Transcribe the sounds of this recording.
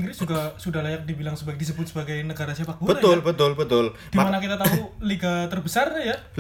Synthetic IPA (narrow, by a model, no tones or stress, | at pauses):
ɡɾisuɡahsudahlajak̚dibilaŋsəbaɡedis̬əbʊt̪səbaɡajnəɡaɾasiapak̚ɡubətaʊlbət̪ʊlbət̪ʊl | d̥imanakit̪at̪auliɡat̪ərbəsarja